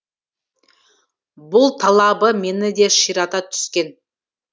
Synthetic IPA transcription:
bʊlˠt̪ʰɑlˠɑbəme̞nɪd̪e̞ʃijɾɑt̪ɑt̪ʰʏ̥skʲe̞n

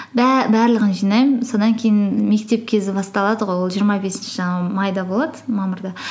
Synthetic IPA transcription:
bæbæɾlˠəʁənʒijnɑjmso̞d̪ɑŋkʲʰe̞jɪnme̞kt̪e̞p̚kʲʰe̞zɪbɑst̪ɑlˠɑd̪əʁo̞jwolˠʒijəɾmɑbe̞sɪnʃɪʒɑɴɑmɑjd̪ɑbo̞lˠɑd̪əmɑməɾd̪ɑ

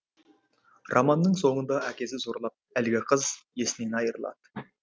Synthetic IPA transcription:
rʔɑmɑnːəɴso̞ɴənd̪ɑækʲe̞sɪzoɾlˠɑp̚ælɡʲɪqʰəzje̞sɪne̞nɑjəɾəlˠɑ̰d̪̥ə̥

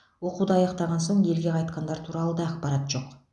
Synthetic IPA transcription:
wo̞qud̪əɑjɑqt̪ɑʁɑns̬o̞ɴe̞lɡʲe̞qʰɑjt̪qɑnd̪ɑɾt̪ʰuɾɑlˠəd̪ɑɑqpɑɾɑt̪ʒ̥o̞q

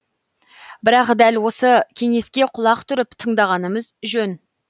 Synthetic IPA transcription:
bɪɾɑqd̪ælwo̞səkʲʰe̞ŋe̞skʲe̞qʰʊlˠɑqt̪ʰʏɾɪpt̪ʰəɴd̪ɑʁɑnəməzʒɵn

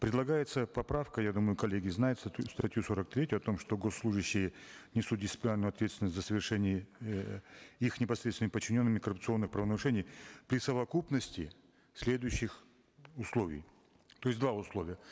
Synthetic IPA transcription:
pɾʲɪd̪lˠɐɡajɪt̪səpɐpɾafkəjad̪uməjʊkɐlʲeɡʲɪznajɪt̪st̪ʲst̪ɐtʲjusoɾək̚t̪ɾʲetʲʊjʊɐt̪o̞mʂt̪o̞ɡo̞sːlˠuʐɨɕːɪjənʲɪsut̪̚dʲɪsɪpʲlʲɪnalʲnjɐt̪vʲet̪st̪ʲɪnəsʲzəsəvʲɪrʂɛnʲɪjə | ixnʲɪpɐsɾʲet̪sʲɪnmɪpət͡ɕːɪnʲo̞nːɨmʲɪkəɾʊpt̪sɨo̞nːɨxpɾəvənəɾʊʂɛnʲɪjpɾʲɪsəvɐkupnəsʲtʲɪ | sʲlʲe̞d̪ʊjʉɕːɪx | ʊslˠo̞vʲɪ̰j | t̪o̞jɪsʲd̪vaʊslˠo̞vʲɪjə

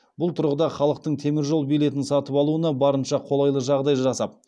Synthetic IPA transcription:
bʊlˠt̪ʰʊɾʁəd̪ɑχɑlˠəq̚t̪əɴt̪ʰe̞mɪɾʒo̞lˠbijle̞t̪ɪnsɑt̪əpɑlˠuənɑbɑɾənʃɑqʰo̞lˠɑjlˠəʒɑʁd̪ɑjʒɑsɑp̚

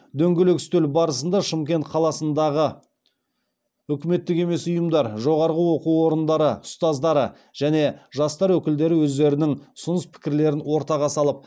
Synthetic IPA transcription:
d̪ɵŋɡʲelɪkst̪ɵlbɑɾəsənd̪ɑʃəmkʲe̞nt̪qʰɑlˠɑsənd̪ɑʁə | ʏkʲɪme̞t̪ːɪke̞me̞sʊjəmd̪ɑɾʒo̞ʁɑɾʁəwo̞quwwo̞ɾənd̪ɑɾəʊst̪ɑzd̪ɑɾə | ʒ̥æne̞ʒɑst̪ɑɾwɵkʲɪld̪e̞ɾɪwɵzd̪e̞ɾɪnɪŋʊ̥sʊnəspʰɪ̥kʲɪɾle̞ɾɪnwo̞ɾt̪ɑʁɑsɑlˠəp̚

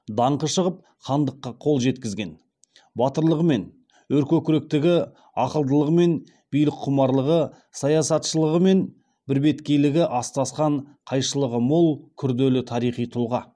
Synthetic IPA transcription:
d̪ɑɴqəʃəʁəp̚ | χɑnd̪əqːɑqʰo̞lˠʒe̞t̪kʲɪzɡʲe̞n | bɑt̪əɾlˠəʁəme̞n | wɵɾkʲɵkʲʏɾek̚t̪ɪɡʲɪ | ɑqəlˠd̪əlˠəʁəme̞n | bijlɪqqʰːʊmɑɾlˠəʁə | sɑjɑsɑt̪ʃəlˠəʁəme̞n | bɪɾbe̞t̪kʲe̞jlɪɡʲɪʔɑst̪ɑsqɑɴqʰɑjʃəlˠəʁəmolˠkʲʰʏɾd̪e̞lɪt̪ʰɑɾijχijt̪ʰʊlˠʁɑ

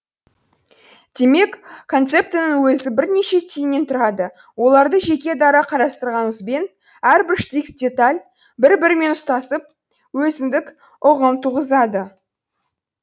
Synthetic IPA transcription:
d̪̥e̞me̞kʰːo̞nt̪se̞p̚t̪enəŋwɵzɪbɪɾne̞ʃe̞t̪ʰijnːe̞nt̪ʰʊɾɑd̪ə | wo̞lˠɑɾd̪əʒe̞kʲe̞d̪ɑɾɑqʰɑɾɑst̪əɾʁɑnəzbe̞n | æɾbɪɾʃt̪ikt̪̚dʲe̞t̪alʲ | bɪɾbɪɾɪme̞nʊst̪ɑsəp̚ | wɵzɪmd̪ɪk | ʊʁəmt̪ʰuʁəzɑd̪ə

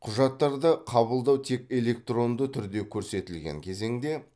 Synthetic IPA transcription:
qʰʊʒɑt̪ːɑɾd̪əqʰɑβəlˠd̪ɑwt̪ʰe̞kʲe̞le̞k̚t̪ro̞nd̪ət̪ʰʏɾd̪e̞kʲʰɵɾse̞t̪ɪlɡʲḛŋkʲʰe̞ze̞ŋd̪e̞

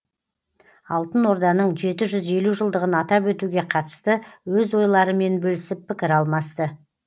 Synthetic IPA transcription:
ɑlˠt̪ənwo̞ɾd̪ɑnəɴʒe̞t̪ɪʒʏze̞luʒəlˠd̪əʁənɑt̪ɑpwɵt̪uɡʲe̞qʰɑt̪ə̥st̪əwɵzwo̞jlˠɑɾəme̞nbɵlɪsɪpʰːɪkʲɪɾɑlˠmɑst̪ə

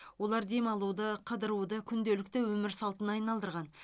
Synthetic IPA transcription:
wo̞lˠɑɾd̪e̞mɑlˠud̪əqʰəd̪əɾud̪əkʲʰʏnd̪e̞lɪk̚t̪ɪwɵmɪɾsɑlˠt̪ənɑɑjnɑlˠd̪əɾʁɑn

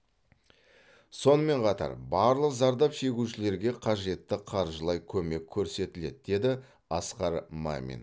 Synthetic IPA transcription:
so̞nəme̞ɴqʰɑt̪ɑ̰ɾbɑɾlˠəqzɑɾd̪ɑpʃe̞ɡʲuʃɪle̞ɾɡʲe̞qʰɑʒe̞t̪ːɪqʰɑɾʒəlˠɑjkʲʰɵme̞kʲʰːɵɾse̞t̪ɪle̞d̪̚d̪e̞d̪ɪ | ɑsqɑɾma̰mʲḭn

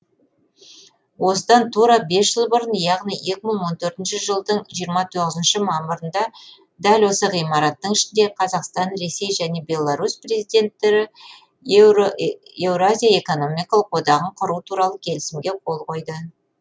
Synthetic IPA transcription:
wo̞səd̪ɑnt̪ʰuɾɑbe̞sʒəlˠbʊɾənjɑʁnije̞kʲɪməɴwo̞nt̪ʰɵɾt̪ɪnʃɪʒəlˠd̪əɴʒijəɾmɑt̪ʰo̞ʁəzənʃɪmɑməɾənd̪ɑ | d̪ælwo̞səʁijmɑɾɑt̪ːəɴɪʃɪnd̪e̞qʰɑzɑqst̪ɑnre̞sːe̞jʒæne̞be̞lˠːaɾuspre̞zijd̪e̞nt̪ːe̞ɾɪ | ewɾoazʲijae̞ko̞no̞mijkɑlˠəqwo̞d̪ɑʁəɴqʰʊɾuət̪ʰuɾɑlˠəkʲʰe̞lɪsɪmɡʲe̞qʰo̞lˠʁo̞jd̪ə

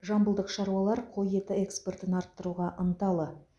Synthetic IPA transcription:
ʒɑmbəlˠd̪əqʃɑɾuwɑlˠɑɾqʰo̞je̞t̪ɪekspe̞rt̪ɪnɑɾt̪ːəɾuʁɑʔənt̪ɑlˠə

